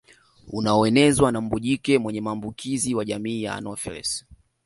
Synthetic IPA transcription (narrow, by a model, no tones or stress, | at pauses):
unaɔɛnɛzwanam̩buʄikɛmwɛɲɛmaːmbukʰiziwaʄamiːja̰a̰nɔfɛ̰lɛ̰s